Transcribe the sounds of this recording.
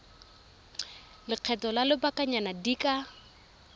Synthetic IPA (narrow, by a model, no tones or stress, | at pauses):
lɪq͡χʰɛtɔlalɪbakʼaɲanadikʼa